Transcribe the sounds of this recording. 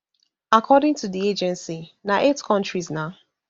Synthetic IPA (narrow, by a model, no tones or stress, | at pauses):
akʰɔdɪ̃ŋtʰuðied͡ʒɛ̃nsinaʔetkʰɔ̃nt͡ʃɹiznaʊ